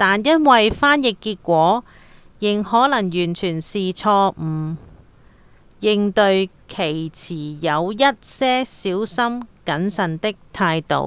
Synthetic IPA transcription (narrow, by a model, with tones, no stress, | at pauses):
t̪aː˨njɐ˥nwɐ˨jfaː˥njɪ˨kːiː˧t̚kʷɔː˨˥ | jɪ˨˩ŋhɔː˨˥lɐ˨˩ŋjyː˨˩nt͡ʃʰyː˨˩nsiː˨˩t͡sʰɔː˧m̩˨˩ | jɪ˨˧ŋt̪ɵ˧ɥ | kʰe˨˩jt͡sʰiː˨˩jɐ˨˧wjɐ˥t̚sɛː˥siː˨˥wsɐ˥mkɐ˨˥nsɐ˨nt̪ɪ˥k̚t̪ʰaː˧jt̪o̰˨˧˩w